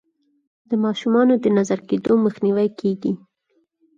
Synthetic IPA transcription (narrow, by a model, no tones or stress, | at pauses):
d̪əmɑʃumɑnod̪ənazaɾked̪oməxniwajkeɡi